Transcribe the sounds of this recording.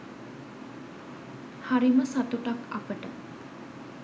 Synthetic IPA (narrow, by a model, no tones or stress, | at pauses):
haɾiməsat̪uʈaka̰pəʈə